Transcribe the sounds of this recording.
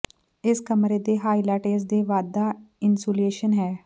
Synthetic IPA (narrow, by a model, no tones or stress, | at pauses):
ɪskɐmɾed̪eɦaːɪlaʈeːs̬d̪eʋaːd̪aɪnsoːleːʃənɦɛː